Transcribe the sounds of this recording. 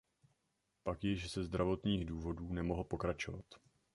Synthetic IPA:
pakjɪʃzɛzd̪ɾavo̞t̪ɲiːɣduːvo̞duːnɛmo̞ɦlpo̞kɾat͡ʃo̞vat̪

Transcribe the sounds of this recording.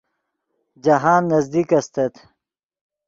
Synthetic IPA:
d͡ʒɐɦaːnːɐzd̪ikɐst̪et̪

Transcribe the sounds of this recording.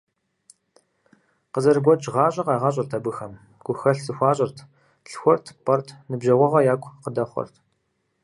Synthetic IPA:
qəzɐrɡʷɔt͡ʃʼʁɑːɕʼɐqɑːʁɑɕʼɪrtʰɐbɨxɐm | ɡʷʊxɐɬsɨxʷɑːɕʼɪrtʰ | ɬxʷɔrtʰpʰʼɐrtʰnɨbʒɐʁʷɔʁɐjaːkʷʰʼqədɐχʷɔ̰rtʰ

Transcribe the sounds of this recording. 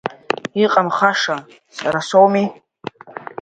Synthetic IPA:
iqʼamχaʂa | saɾasowmi

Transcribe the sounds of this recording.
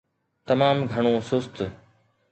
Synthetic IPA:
t̪ɐmaːmɡʱɐɽ̃õːsʊst̪

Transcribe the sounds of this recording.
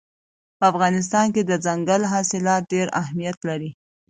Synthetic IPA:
pəafɣɑnɪs̬t̪ɑnked̪əd͡zaŋɡalɦɑsɪlɑt̚ɖeɾa̰ɦmijat̪laɾi

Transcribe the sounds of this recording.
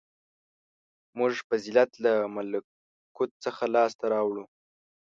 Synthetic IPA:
mʊʐpəzɪlat̪lamal | kut̪̚t͡səxalɑst̪aɾɑwɽu

